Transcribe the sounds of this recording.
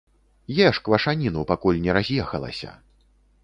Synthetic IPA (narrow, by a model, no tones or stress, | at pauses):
jɛʂkvɐʂanʲinupakulʲnʲɛɾazʲjɛxɐlˠɐ̰sʲɐ̰